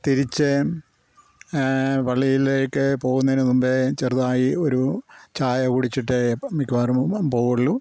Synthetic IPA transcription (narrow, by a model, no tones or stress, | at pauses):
t̪iɾit͡ɕːɨ | ʋɐɭːijilejkːepo̞ːɣunːɐðinɨnumbet͡ɕerðaːjioɾut͡ɕaːjɐkuɽit͡ɕːiʈːemikʲːuʋaːrupoːʋɐɭːu